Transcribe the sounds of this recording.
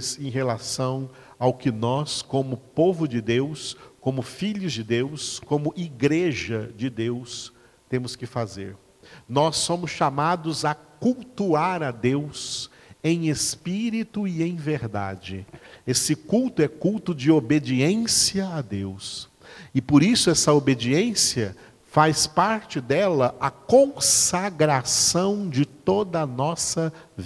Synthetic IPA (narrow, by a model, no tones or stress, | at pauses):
sẽj̃ɦelasɐ̃w̃ | awkɪnɔskõmʊpovʊd͡ʒɪd̪ewskõmʊfiʎʊzd͡ʒɪd̪ewskõmʊʔiɡɾeʒɐd͡ʒɪd̪ews | t̪ẽmʊskɪfazḛɾ | nɔsːõmʊsʃamad̪ʊzɐkuwt̪uaɾɐd̪ews | ẽj̃espiɾit̪ʊiẽj̃veɾd̪a̰d͡ʒɪesɪkuwt̪ʊɛkuwt̪ʊd͡ʒɪobed͡ʒiẽsiɐad̪ews | ɪpoɾisʊɛsɐobed͡ʒiẽsiɐ | fajspaɾt͡ʃɪd̪ɛlɐʔɐkõsaɡɾasɐ̃w̃d͡ʒɪt̪od̪ɐːnɔsɐ | v